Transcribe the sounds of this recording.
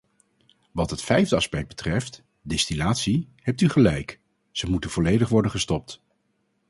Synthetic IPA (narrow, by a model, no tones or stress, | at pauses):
ʋɑtɦətfɛjvdəɑspɛk̚bətrɛft | dɛstinaːtsihɛp̚tyχəlɛjk | z̥əmutənv̥ɔlejdəχʋɔɹdənχəstɔp̚t